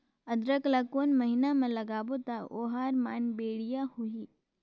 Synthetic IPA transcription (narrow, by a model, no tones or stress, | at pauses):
ɐd̪ɾəklakoːnmɐɦɪnamẽlɐɡaːbot̪aʔoːɦaːɾmaːnbeːɽijahuiː